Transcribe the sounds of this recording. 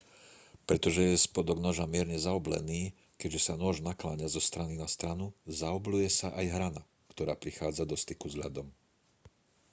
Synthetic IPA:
pɾɛt̪ɔʒɛjɛspɔd̪ɔɡnɔʒamɪɛɾɲɛzaɔblɛ̰niː | kɛɟʒɛsanʊɔʒnaklaɲazɔst̪ɾaninast̪ɾanuzaɔblujɛsaʔajɦɾana̰ | kt̪ɔɾaːpɾixaːd͡zad̪ɔst̪ikuzʎa̰d̪ɔm

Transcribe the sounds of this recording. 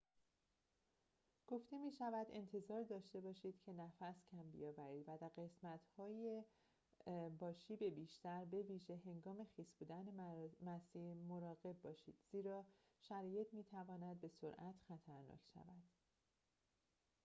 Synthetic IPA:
ɡ̥o̞ft̪e̞miːʃævæd̪e̞̰nt̪ʰe̞zɒːɾd̪ɒːʃt̪e̞bɒːʃiːd̪̥cʰe̞næfæscʰæmbḭjɒːvæɾiːd̪væd̪æɾɡe̞smæt̪hɒːje | bɒːʃiːbe̞biːʃt̪æɾbe̞viːʒe̞ɦe̞ŋɡɒːme̞xiːsbuːd̪ænemæsiːmo̞ɾɒːɣe̞b̚ːɒːʃiːd̪̥z̥iːɾɒː | ʃæɾɒːje̞t̪ʰmiːt̪ʰævɒːnæd̪̚be̞soɾʔæt̪ʰxæt̪ʰæɾnɒ̰ːcʰʃæ̰væd̪̥

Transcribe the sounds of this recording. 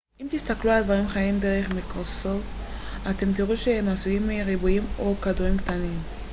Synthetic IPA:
ʔimt̪ist̪akluald̪vaʁimχajimd̪e̞ʁeχmikʁoso̞fat̪e̞mt̪̬iʁuʃehemasujimiʁibujimo̞kad̪uʁimkt̪anim

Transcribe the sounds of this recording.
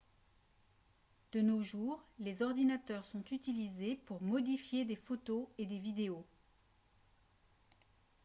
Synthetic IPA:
d̪̥ənoʒuːʁlezɔʁd̪inat̪œʁsɔ̃t̪yt̪ilizepuʁmɔd̪ifjed̪efot̪oed̪evid̪eo

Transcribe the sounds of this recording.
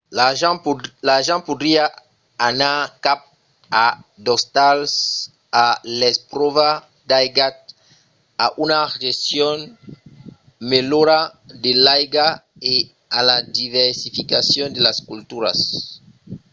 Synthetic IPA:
a | laʒãnpud̪ɾiaː | nakap̚ | ad̪ɔst̪als | alɛspɾɔva | d̪ajɡat̪̚ | aʔunaʒesjɔn | meloɾad̪elajɡa | e | alad̪ivɛɾsifikasjɔnd̪elaskult̪uɾa̰s

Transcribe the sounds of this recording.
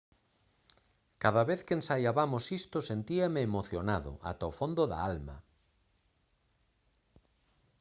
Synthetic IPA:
kaðaβeθkeensajaβamosist̪ʊsent̪iameːmoθjonaðʊ̰ʔa̰t̪aofond̪oða̰alma̰

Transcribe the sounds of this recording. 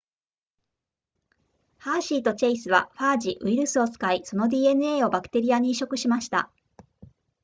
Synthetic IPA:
haːɕiːt̪o̞t͡ɕaisɨβa̰ɸaːd͡ʑiʔɯ̟iɾɯ̟sɨo̞t͡sɨ̥kaiso̞no̞d̪ʲiːe̞nɯ̟e̞ːo̞bakɯ̟̥t̪e̞ɾʲijaɲ̟iːɕo̞kɯ̟ɕimaɕi̥t̪a̰

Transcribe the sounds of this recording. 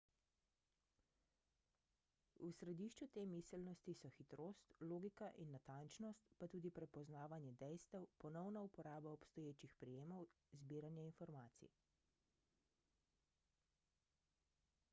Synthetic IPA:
usɾɛd̪iːʃt͡ʃut̪eːmisɛlnɔst̪isɔxit̪ɾoːst̪loːɡikaʔinːat̪ant͡ʃnɔst̪pat̪uːd̪ipɾɛpɔznaːʋanjɛd̪ɛjst̪ɛwpɔnɔwnaupɔɾaːbaɔpst̪ɔjeːt͡ʃixpɾɛjeːmɔw | zbiːɾanjainfɔɾmaːt̪sḭ

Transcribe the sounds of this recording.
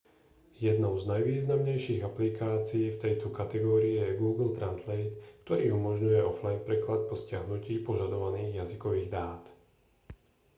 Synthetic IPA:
jɛd̪nɔʊznajʋiːznamɲɛjʃiːɣaplikaːt͡siːft̪ɛjt̪ɔkat̪ɛɡɔːɾiɛjɛɡuːɡl̩t̪ɾanzlɛjt̪kt̪ɔɾiːumɔʒɲujɛɔflajnpɾɛklat̪̚pɔscɪaɦnuciːpɔʒad̪ɔʋaniːɣjazikɔʋiːɣd̪aːt̪

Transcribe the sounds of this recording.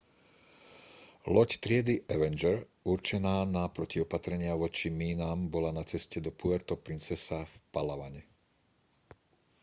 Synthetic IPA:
lɔct̪ɾɪɛd̪iʔɛʋɛnd͡ʒɛɾuɾt͡ʃɛnaːnapɾɔciɔpat̪ɾɛɲɪaʋɔt͡ʃimiːnaːmbɔlanat͡sɛscɛd̪ɔpuʋɛɾt̪ɔpɾint͡sɛsafpalaʋaɲɛ

